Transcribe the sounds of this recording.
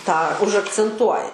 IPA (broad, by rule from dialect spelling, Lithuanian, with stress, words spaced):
tɑː ʊʒɐkt͡sʲɛnˈtuɔjɛ